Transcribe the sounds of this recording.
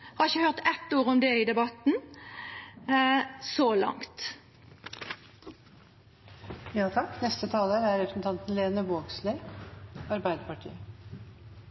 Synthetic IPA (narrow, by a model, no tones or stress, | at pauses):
hɑɾɪçəhœʁt̪ɛt̪ːuːʁɔmd̪ɛɪd̪ɛbɑt̪n̩ | solɑ̰ŋt̪ | jɑːt̪ʰɑkːnɛst̪ət̪ʰɑːləɾæɾɛpʰɾsn̩t̪ʰɑnt̪n̩leːnəʋoːɡsle | ɑɾbæɪd̪əpɑʈʰḭːə